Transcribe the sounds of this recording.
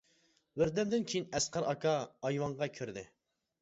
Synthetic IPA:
bɪɾd̪ɪmd̪ɪnkʲʰejinɛsqʰɑɾɑkɑɑjwɑɴʁɑkʲʰøɾd̪ɪ

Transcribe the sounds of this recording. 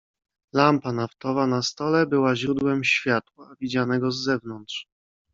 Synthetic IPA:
lampanaft̪ɔvanast̪ɔlɛbɘwaʑɾud̪wɛmɕfʲjat̪wavʲid͡ʑanɛɡɔzːɛvnɔnt̪ʂ

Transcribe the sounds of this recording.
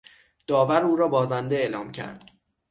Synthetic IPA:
d̪̥ɒːvæɾuːɾɒːbɒːzænd̪e̞eːlɒːmcʰæ̰ɾd̪̥

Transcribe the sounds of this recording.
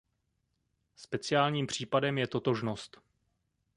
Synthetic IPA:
spɛt͡sɪaːlɲiːmpr̝̥iːpadɛmjɛt̪o̞t̪oʒno̞st̪

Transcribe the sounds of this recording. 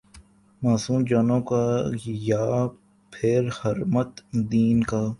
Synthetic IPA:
maːsũːmd͡ʒaːnõkaːjaː | pʰɪɾhəɾmət̪d̪iːnkaː

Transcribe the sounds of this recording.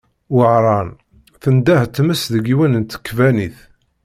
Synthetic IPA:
wʕɾˤɑn | θənd̪æht̪ːməsðəɡiwənənt̪ə̥kːvæniθ

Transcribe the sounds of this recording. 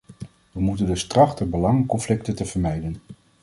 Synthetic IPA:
ʋəmutəndəstrɑχtəbəlɑŋəkɔnflɪktətəv̥əɹmɛjdən

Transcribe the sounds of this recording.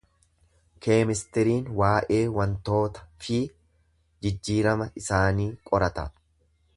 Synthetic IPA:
kʰe̞ːmɪst̪ɛɾiːnwaːʔe̞ːwɐnt̪o̞ːt̪ɐ̥fɪ | d͡ʒɪd͡ʒːiːɾɐmɐɪsaːniːkʼɔɾɐt̪ɐ̰

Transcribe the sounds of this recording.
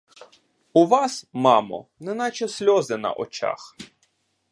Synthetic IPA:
uʋɑsmɑmɔ̰nɛnɑt͡ʃɛsʲlʲɔzɪnɐ̰ʔɔ̰t͡ʃɑ̰x

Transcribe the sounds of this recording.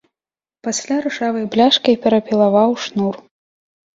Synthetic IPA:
pasʲlʲaɾɨʂavɐjblʲaʂkɐjpʲɛɾɐpʲilˠavawʂnur

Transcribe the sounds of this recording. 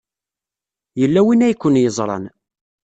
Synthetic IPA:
jəlːæwinæjkʷːənjəzˤɾˤɑ̰n

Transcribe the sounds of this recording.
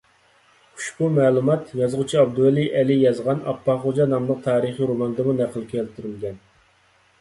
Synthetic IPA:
u̥ʃbumɛːlˠumɑt̪jɑzʁʊt͡ʃʰiɑb̚d̪uæliʔɛlijɑzʁɑnɑpːɑχod͡ʒɑnɑmlˠəq̚t̪ʰɑːɾəχiɾomɑnd̪ɨmunæqʰəlˠkʲʰɛlt̪ʰyɾylɡʲɛn

